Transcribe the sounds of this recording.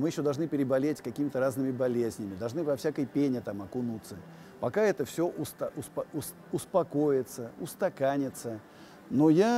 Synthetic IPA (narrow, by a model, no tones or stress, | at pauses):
mɨjɪɕːod̪ɐlʐnɨpʲɪɾʲɪbɐlʲetʲkɐkʲimʲɪt̪əɾaznɨmʲɪbɐlʲezʲnʲɪmʲɪd̪ɐlˠʐnɨvɐfsʲakəjpʲenʲɪt̪amɐkʊnut̪sːə | pɐkaɛt̪əfsʲoʔʊst̪ɐʔʊspɐʊs | ʊspɐko̞jɪt̪səʊst̪ɐkanʲɪt̪sə | noja